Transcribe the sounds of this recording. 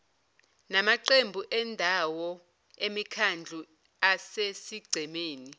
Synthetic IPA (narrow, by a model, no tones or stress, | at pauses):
namaǀembʱuʔɛndʱawɔ | emikʰand͡ɮʱu | asesiɡ͡ǀʱɛmeːni